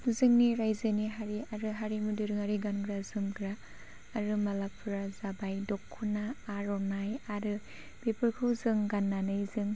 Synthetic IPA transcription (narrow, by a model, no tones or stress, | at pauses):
uzɯŋniɾajzɯniɦaɾiaɾɯɦaɾimudɯɾɯŋaɾiɡanɡɾazɯmɡɾaː | ɾɯmalapʰɯɾazabajdɔkʰːunaːɾɔnajaɾɯ | b̥epʰɯɾkʰɯwzɯŋɡanːanɯjzɯŋ